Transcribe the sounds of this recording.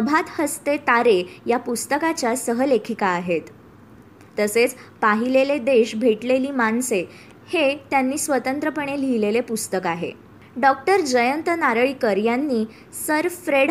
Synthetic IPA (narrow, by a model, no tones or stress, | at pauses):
əbʱat̪həst̪et̪aɾejapust̪əkat͡ɕjasəɦəlekʰikaːɦet̪ː | əset͡spaɦileled̪eɕbʱeʈleliːmaɳse | het̪janːiːsʋət̪ənt̪ɾəpəɳelilelepust̪əkaɦḛ | ɖɔk̚ʈəɾd͡ʑəjənt̪ənaɾəɭikəɾjanːiː | səɾfɾeɽ